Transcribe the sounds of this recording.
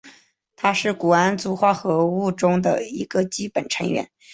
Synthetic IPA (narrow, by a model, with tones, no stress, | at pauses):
t̪ʰa˥ʂɻ̩˥˩ku˨˩a˥nt͡su˧˥xwa˥˩xɤ˧˥u˥˩ʈ͡ʂʊ˥ŋd̪ə̰˨˩i˧˥ɡə˧t͡ɕi˥pə˨˩nʈ͡ʂʰɤ˧˥ŋɥɛ̰˧˥n